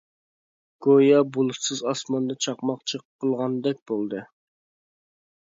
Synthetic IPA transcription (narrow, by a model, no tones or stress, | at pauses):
ɡ̥ojɑbulˠɨsɨzɑsmɑnd̪ɑt͡ʃʰɑqmɑqt͡ʃʰɨqʰːəlˠʁɑnd̪ɛk̚ʲbolˠd̪ɨ